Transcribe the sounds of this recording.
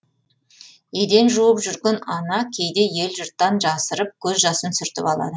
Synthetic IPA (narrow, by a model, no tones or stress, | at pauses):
jed̪e̞nʒuwəpʒʏɾɡʲenɑnɑkʲʰe̞jd̪e̞je̞lʒʊɾt̪ːɑnʒɑsəɾəp̚kʲʰɵzʒɑsənsʏɾt̪ɪ̰pɑlˠɑ̰d̪ə